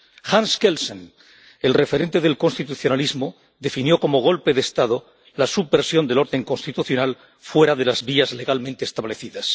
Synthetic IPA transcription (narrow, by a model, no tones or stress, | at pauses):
xanskelsen | e̞lre̞fe̞ɾe̞nt̪eðe̞lko̞nst̪it̪uθjo̞nalizmo | ðe̞finjo̞ko̞moɣ̞o̞lpe̞ðeːst̪aðo | lasubeɾsjond̪elo̞ɾðe̞ŋkonst̪it̪uθjo̞nal | fwe̞ɾaðe̞lazβiazle̞ɣalmẽnt̪eːst̪aβle̞θiðas